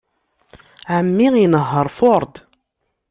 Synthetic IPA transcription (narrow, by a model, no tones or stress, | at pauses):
ʕəmːiinəɦːəɾˤfoɾˤd̪